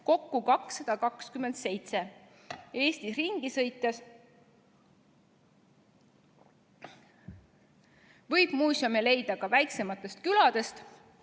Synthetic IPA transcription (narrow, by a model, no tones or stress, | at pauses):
ko̞kːukɑksːɑd̪̥ɑkɑkskyme̞nd̪̥se̞jt̪se̞ | e̞ːst̪isriŋɡ̥isɤ̞jt̪ːˑes | vɤjb̥muːsʲɑmele̞jd̪ɑkɑvæjkse̞mɑt̪ːˑe̞st̪̚kylɑd̪̥e̞st̪